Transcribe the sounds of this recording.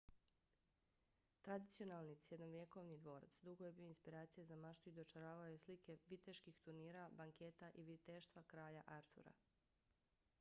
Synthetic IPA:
t̪ɾad̪it̪sio̞nalˠnisjed̪noʋje̞ko̞ʋnid̪ʋo̞ːɾa̰t̪sd̪uɡoje̞biːoinspiɾaːt̪sijezamaʃt̪uid̪ot͡ʃaɾaːʋaojeslike̞ʋit̪eʃkixt̪uɾniːɾabaŋket̪aʔiʋit̪eʃt̪ʋakɾaːjaʔaɾt̪ʰṵɾa̰

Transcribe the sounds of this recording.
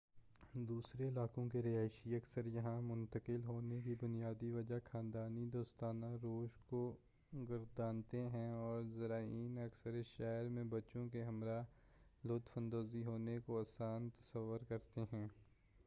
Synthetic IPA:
d̪uːsɾelaːkõkeɾeaːɪʃiɐksəɾjɐɦãmʊ̃nt̪əkɪlɦoːnekibʊnijaːd̪iʋɐd͡ʒakʰãːnd̪aːnid̪oːst̪aːnãɾoːʃko | ɡɐɾd̪aːnt̪eɦɛ̃ɔːɾzɐɾaːiːnɐksəɾeʃɛːɾmẽbɐt͡ʃõkeɦɐmɾa | lʊːt̪fə̃nd̪oːziɦoːnekoaːsaːnt̪ɐ̥səʋːəɾkɐɾt̪eɦɛ̃ː

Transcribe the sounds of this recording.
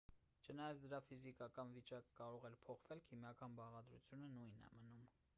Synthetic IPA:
t͡ʃʰənɑjɑt͡sʰd̪əɾɑfizikɑkɑnvit͡ʃɑkːɑɾɔʁɛɾpʰɔχv̥ɛlkʰimjɑkɑnbɑʁɑd̪ɾṵt͡sʰjunənujnɛ̰mənum

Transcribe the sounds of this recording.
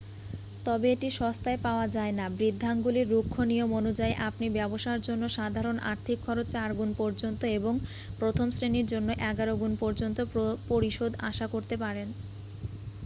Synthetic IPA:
t̪ɔbeeʈiʃɔst̪aepaoad͡ʑaenabɾid̪ʱːaŋɡuliɾːukʰːonijomonud͡ʑaeʔapnibɛboʃaɾd͡ʑonːoʃad̪ʱaɾonʔa̰ɾt̪ʰikʰːɔɾot͡ɕt͡ɕaɾɡunpɔɾd͡ʑont̪oeboŋ | pɾot̪ʰomsɾeniɾd͡ʑonːoʔɛɡaɾoɡunpɔɾd͡ʑont̪opoɾiʃod̪ʱaʃakoɾt̪epaɾen

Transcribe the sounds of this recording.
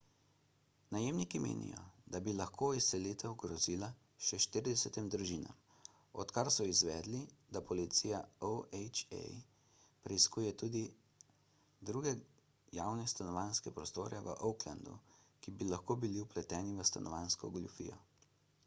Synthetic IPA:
najemnikimḛːnʔḭjɔ̰d̪abilaxkʰoːisːɛleːt̪ɛwɡɾɔziːla | ʃɛʃt̪iɾid̪ɛsɛt̪imd̪ɾuʒiːna̰m | ɔt̪kaɾsɔizʋɛːd̪lid̪apɔlit̪sijaowɛt͡ʃɛ̰j | pɾɛjskuːjɛt̪uːd̪i | d̪ɾuɡɛ | jawnɛst̪anɔʋaːnskɛpɾɔst̪oːɾɛʋə̰ʔɔwkla̰nd̪ṵkibilaxkoːbiliuplɛt̪ɛːniʋəst̪anɔʋaːnskɔɡlufḭːjɔ̰

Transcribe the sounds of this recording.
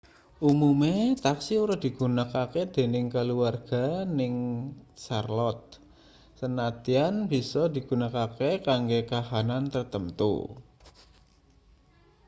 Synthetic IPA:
ʔumumet̪aksiuɾad̪̥i̤ɡ̥ṳnakaked̪̥e̤nɪŋkəluarɡ̥a̤nɪŋsarlɔt̪̚ | sənat̪ianb̥i̤sɔd̪i̤ɡ̥ṳnakakekaŋɡekaɦanant̪ərt̪ənt̪ṵ

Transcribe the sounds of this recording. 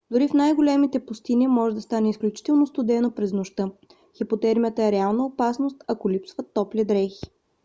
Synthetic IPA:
d̪ʊɾifnajɡolʲɛmit̪ɛpʊst̪inimɔʒɛd̪ɐst̪anɛisklʲut͡ʃi̥t̪ɛlˠnost̪od̪ɛnopɾɛznoʃt̪ɤ | xipot̪ɛɾmijət̪əɛɾɛalˠnəopasnost̪ɐkolʲipsvət̪ːɔplɛd̪ɾɛxi̥

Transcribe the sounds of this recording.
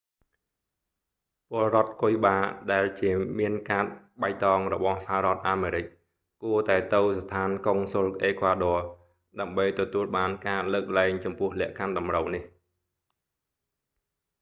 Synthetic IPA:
pʊ̆əlrŏət̪̚kojɓaːɗaɛlt͡ɕiəmiənkaːt̪̚ | ɓaj̚t̪ɑːŋrɔɓɑhsaɦaɾŏət̪̚ʔaːmeːɾɨc̚ | kuət̪aɛt̪ɨwst̪ʰaːnkoŋsolʔeːkʰʋaːɗɔə | ɗaəmɓəjt̪ɔt̪uəlɓaːnkaːləːk̚laɛŋt͡ɕɑmpʊ̆əhlɛ̆əʔkʰanɗɑmrəwnih

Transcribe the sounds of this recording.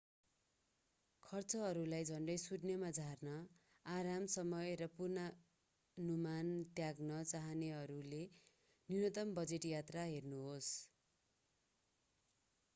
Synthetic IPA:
kʰʌrt͡sʌɦʌɾulajd͡zʱʌɳɖʌjsuɖnʌmad͡zʱarnʌ | aɾamsʌmʌjrʌpurna | numant̪jaɡnʌt͡saɦʌneɦʌɾule | ninʌt̪ʌmbʌd͡zeʈjat̪raɦernuɦos

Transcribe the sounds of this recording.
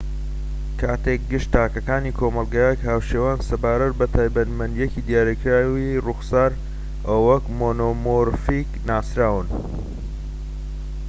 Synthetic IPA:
kʰaːt̪ek̚ɡɨʃt̪aːkɐkaːniːkʰomɐlˠɡajɛkhaːwʃeːwaːnsɐbaːɾɐt̪̚bɐt̪ʰaːjbɐnmɐnd̪jɛkiːd̪jaːɾikɾaːwiruxsaːɾ | ʔɐwɐkmoːnomoɾfiknaːsɾaːwɨn

